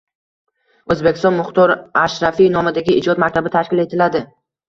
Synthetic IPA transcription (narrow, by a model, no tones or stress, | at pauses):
ɵzbekʲɪ̥st̪ɒnmʊχt̪ɒɾaʃɾafinɒmɪd̪aɡʲɪʔɪd͡ʒɒt̪mak̚ʲt̪ʰabɪt̪ʰaʃkʲɪle̞t̪ʰɪlad̪ɪ